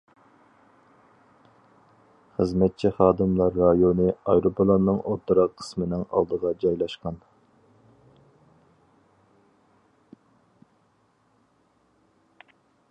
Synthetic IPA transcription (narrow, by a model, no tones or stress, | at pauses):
χəzmɛt̪̚t͡ʃʰiχɑːd̪ɨmlˠɑɾːɑjonɨɑ̰jɾopʰlˠɑnːɨŋʔot̪ʰːɾɑqʰːə̥smɪnɪŋɑ̰lˠd̪əʁɑd͡ʒɑjlˠɑʃqɑn